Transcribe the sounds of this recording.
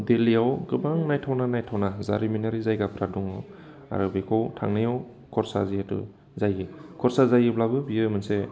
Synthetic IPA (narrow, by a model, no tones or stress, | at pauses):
deliawɡɯbaŋnajtʰawnanajtʰawnazaɾiminaɾizajɡapʰɾaduŋaw | a̰ɾɯbekʰɔwtʰa̰ŋnajaw | kʰɔɾsazijatɯ̰ | zajɯkʰɔɾsazajɯblabɯbiɯmɯnse